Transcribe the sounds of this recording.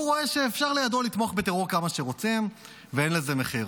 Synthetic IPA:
uʁoe̞ʃe̞ːfʃaʁlejad̪o̞lit̪moaχbe̞t̪eʁoʁkamaʃeʁo̞t͡sim | veenleze̞meχiʁ

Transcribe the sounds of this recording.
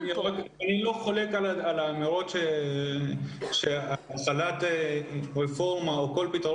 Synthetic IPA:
niʁakanilo̞χole̞kalaalamiʁot̪ʃe | ʃeaχalat̪eʁefo̞ʁmaoko̞lpit̪ʁ

